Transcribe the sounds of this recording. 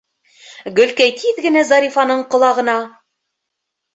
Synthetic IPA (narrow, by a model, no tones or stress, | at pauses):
ɡɵ̆lkæjt̪ʰiðɡɘ̆næzɑɾifɑnɤɴqŏlˠɑʁɤ̆nɑ